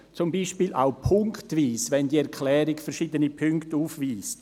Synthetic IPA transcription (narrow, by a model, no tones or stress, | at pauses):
t͡sʊmbiːʃpiːla̰ʊpʰʊŋktviːsvɛndiːɛɾkʰlɛːɾɪkfɛɾʃiːdənipʰʏŋktuːfviːst